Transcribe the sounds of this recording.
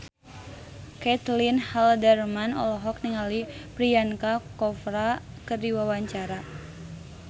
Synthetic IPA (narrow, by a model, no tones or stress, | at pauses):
kɛt̪linhaldɛrmanɔ̰lɔɦɔk̚niŋalipɾijankakɔfɾa | kɨrdiwawaɲt͡ʃaɾa